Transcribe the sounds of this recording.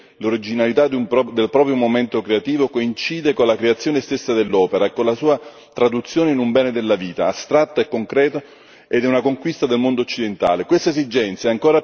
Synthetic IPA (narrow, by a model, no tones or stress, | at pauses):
loɾid͡ʒinalit̪ad̪umpd̪elpɾɔːpɾjomoment̪okɾeat̪iːvokoint͡ʃiːd̪ekonlakɾeat̪sːjoːnest̪esːad̪elːɔːpeɾaekːonlasuːa | t̪ɾad̪ut̪sːjoːneinumbɛːned̪elːaviːt̪a̰ːst̪ɾat̪ːaekːoŋkɾɛːt̪o | ed̪ɛunakoŋkwist̪ad̪elmond̪oːot͡ʃːid̪ent̪a̰ːlekwest̪aezid͡ʒɛnt̪sjaɛaŋkoːɾa